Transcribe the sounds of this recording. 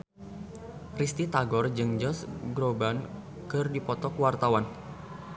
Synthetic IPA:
rist̪it̪aɡɔrd͡ʒɨŋd͡ʒɔsɡɾoban | kɨrdipɔt̪ɔkuwart̪awan

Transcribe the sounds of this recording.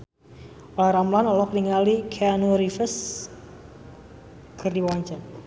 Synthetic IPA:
ɔlaɾamlanɔlɔk̚diŋalikʰeanuɾifəs | kʰərdiwaɲt͡ʃər

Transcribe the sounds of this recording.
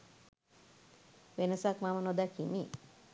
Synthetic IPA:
ʋenəsakmamənod̪akimi

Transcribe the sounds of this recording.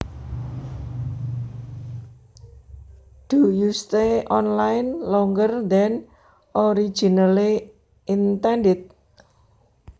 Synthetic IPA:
d̪̥ujust̪eʔɔnlajnlɔŋɡərd̪ɛn | ʔɔɾi̥d͡ʒ̥inali | ʔint̪ɛnɖɪt̪̚

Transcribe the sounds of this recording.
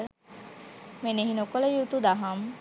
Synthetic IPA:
meneɦinokoləjut̪ud̪aɦam

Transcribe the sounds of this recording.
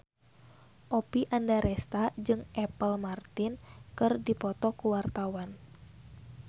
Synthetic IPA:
ʔɔpiʔandaɾɛst̪ad͡ʒɨŋʔɛpəlmart̪inkɨrdipɔt̪ɔkuwart̪awan

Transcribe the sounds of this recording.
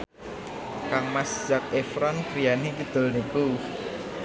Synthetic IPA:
kaŋmasd̥ʒ̥ak̚efɾɔnkɾijanikid̪̥o̤lniku

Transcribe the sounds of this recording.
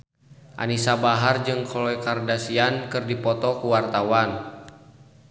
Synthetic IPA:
ʔa̰nisabaɦard͡ʒɨŋkʰɔlɔjkardasiankɨrdipɔt̪ɔkuwart̪awan

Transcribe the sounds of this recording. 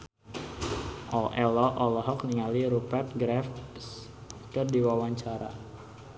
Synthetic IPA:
ʔɔʔɛlɔʔɔlɔɦɔk̚niŋaliɾupɛrt̪̚ɡɾɛfskərdiwawaɲt͡ʃaɾa̰

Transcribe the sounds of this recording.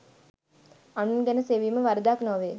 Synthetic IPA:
anunɡɛnəseʋiməʋaɾəd̪aːknɔːʋeː

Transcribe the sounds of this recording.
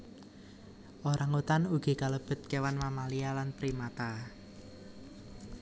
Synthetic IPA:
ʔoɾʔaŋut̪anuɡ̥i̤kaləb̥ə̤t̪̚kewanmamalialanpɾimat̪a

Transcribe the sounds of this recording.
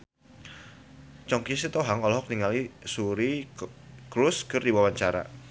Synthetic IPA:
t͡ʃɔŋkisit̪ɔɦaŋɔlɔɦɔk̚niŋalisuɾi | kɾʊskɨrdiwawaɲt͡ʃaɾa̰

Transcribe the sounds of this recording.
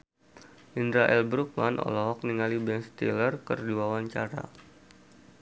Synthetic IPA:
ʔindɾaʔɛlbɾuk̚manʔɔ̰lɔɦɔk̚niŋalibɛnst̪ḭlərkə̰rduawaɲt͡ʃaɾa̰

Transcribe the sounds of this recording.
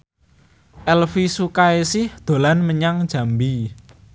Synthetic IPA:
ʔɛlfisukaesɪhd̪̥o̤lanməɲaŋd̥ʒ̥ä̤mbi

